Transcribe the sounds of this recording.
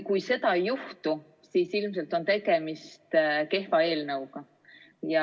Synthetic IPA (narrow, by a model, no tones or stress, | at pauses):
kujse̞d̪̥ɑjuht̪u | siːsilmse̞lt̪ːˑo̞nt̪e̞ɡ̥e̞mist̪ke̞hfɑe̞ːlnəwɡɑ | jɑ